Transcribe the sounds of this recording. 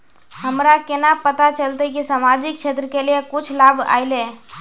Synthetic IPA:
həmɾakenapət̪at͡ʃəlt̪əkisamad͡ʒik̚t͡ʃʰet̪ɾəkelijekut͡ʃʰlaba̰jle

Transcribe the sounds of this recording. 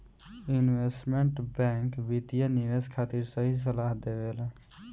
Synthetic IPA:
inʋesʈmeɳʈbɛ̃ŋkbit̪ijəniʋeskʰat̪iɾsəɦis̬əlaɦd̪ebel

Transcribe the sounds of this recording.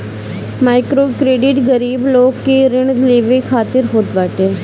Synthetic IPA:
maːɪkɾoːkɾeːɖɪʈɡəɾiːbloːɡːiɾɪɳd̪leːʋikʰaːt̪ɪɾɦoːt̪ʋaːʈeː

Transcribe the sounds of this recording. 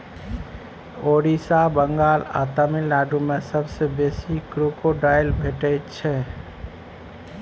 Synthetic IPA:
oɾisabəŋɡaːla̰t̪əmilnaːɖumẽsəbsebesikɾukoɖaːɪlbʱeʈəjt̪t͡ʃʰɛ

